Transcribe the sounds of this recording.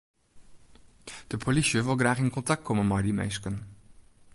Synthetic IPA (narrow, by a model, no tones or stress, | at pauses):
d̥əpʰolisəʋɪlˠɡraːχɪnkɔntak̚t̚kʰɔmənmɑjdimḛjskən